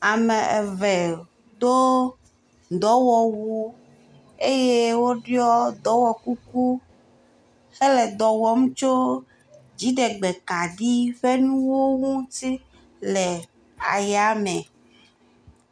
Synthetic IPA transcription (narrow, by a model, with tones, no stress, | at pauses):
a˨me˨e˨vɛ˨ | d̪o˦ | d̪ɔ˨˦wɔ˨wu˦ | e˦je˦wo˦ɖi˦ɔ˦d̪ɔ˨˦wɔ˨ku˦ku˦ | xe˦lɛ˨d̪ɔ˨wɔ˦m̃˦t͡ʃo˦ | d͡ʑi˦ɖe˨ɡ͡be˨ka˨ɖi˦ɸe˦nũ˦wo˦ŋũ˦t̪i˦ | lɛ˨ | a̰˨ja˨˦mɛ̃˨